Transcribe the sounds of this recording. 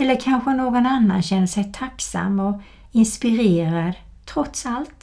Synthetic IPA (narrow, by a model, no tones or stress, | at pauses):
ɛlːəɾkʰanɧənoːɡɔnanːa̰nɕɛnːəʂɛjt̪ʰaksa̰mːɔ | ɪnspɪɾeːɾad̪ | t̪ʰɾɔt̪salt̪